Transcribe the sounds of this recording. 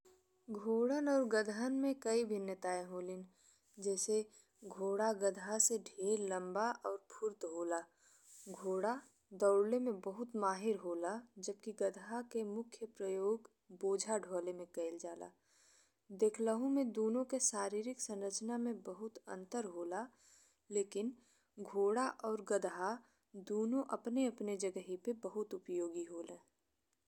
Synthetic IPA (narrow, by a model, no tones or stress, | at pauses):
ɡʱoːɽənɔːɾɡəd̪ʱənmẽkəibʱɪnjət̪aːẽɦoːlɪn | d͡ʒɛːse | ɡʱoːɽaɡəd̪ʱaseɖʱeːɾlɐ̃mbaʔɔːɾpʰʊɾt̪ɦoːla | ɡʱoːɽa | d̪ɔʊɽlemẽbəɦʊt̪maːɦɪɾɦoːlad͡ʒəb̚kiɡəd̪ʱakemʊkʰjəpɾəjoːɡ | boːd͡ʒʱaɖʱoːlemẽkəɪld͡ʒaːla̰ː | d̪eːkʰləɦõmẽd̪oːnõkeʃaːɾiːɾɪksɐ̃nɾət͡ʃnamẽbɐɦʊt̪ə̰̃nt̪əɾɦoːla | leːkɪn | ɡʱoːɽaʔɔːɾɡəd̪ɦa | d̪oːnõʔɐpneɐpned͡ʒɐɡəɦipebəɦʊt̪ʊpjoːɡiɦoːlẽː